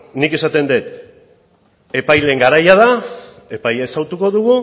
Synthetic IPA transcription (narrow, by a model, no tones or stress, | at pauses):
nike̞sat̪e̞nd̪et̪ | e̞pajle̞ŋɡaɾajað̞a | e̞pajaesawt̪uko̞ðuɣu